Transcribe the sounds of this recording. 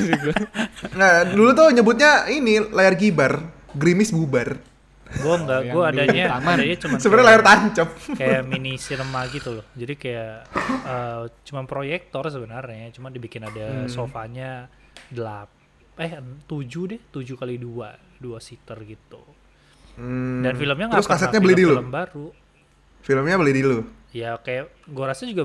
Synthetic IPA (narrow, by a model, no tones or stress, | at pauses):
ŋadulut̪̬ɔɲəbʊt̪̚ɲainilajarɡibar | ɡɾimɪsbubar | ɡuaŋɡaɡuaadaɲaamadaɲat͡ʃumasəbənaɾɲalajart̪aɲt͡ʃəp̚kajaminisiləmaɡit̪ulɔhd͡ʒadikajaəːt͡ʃumanpɾojɛk̚t̪ɔrs̬əbənərɲat͡ʃumandibikɪnadasofaɲa | dəlap̚ | ɛht̪ud͡ʒudɪht̪ud͡ʒukalidua | duasit̪ərɡit̪u | m̩ddanfiləmɲaŋaskas̬ɛt̪ɲabəlɪdiluləmbaɾu | filəmɲabolɪhdilu | jakajaʔ | ɡuaɾasad͡ʒuɡa